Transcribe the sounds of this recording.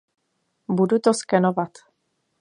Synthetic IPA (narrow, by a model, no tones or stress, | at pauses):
budut̪oskɛnovat̪